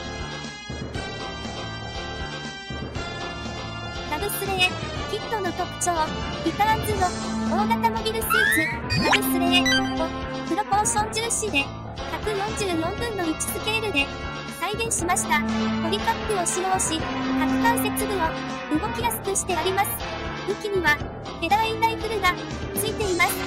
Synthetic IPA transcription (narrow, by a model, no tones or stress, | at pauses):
nabɯ̟sɨɾe̞ekʲit̪ːo̞no̞t̪o̞kɯ̥t͡ɕoː | isaand͡zɨnooːɡat̪amo̞bʲiɾɯ̟sisɯnabɯ̟sɨɾeeot̪o | pɯ̟ɾo̞koɕõ̞ɲd͡ʑɨːɕid̪e̞ | çakɯ̟jõ̞ɲd͡ʑɨːjõ̞mbɯ̟̃nːo̞it͡ɕi̥sɨke̞ɾɯ̟d̪e̞ | saiɡẽ̞ɰ̃ɕimaɕi̥t̪at̪o̞ɾʲikapʲːɯoɕiɾoːɕihakɨkaɰse̞t͡sɨbɯ̟o̞ | mɯ̟ɡo̞kʲiɡasɨ̥kɯ̟ɕi̥t̪e̞aɾʲimasɨ̥ | ɯ̟kʲiɲ̟iβa | k̪e̞d̪ait̪aipɯ̟ɾɯ̟ɡa | t͡sɨit̪e̞imasɨ̥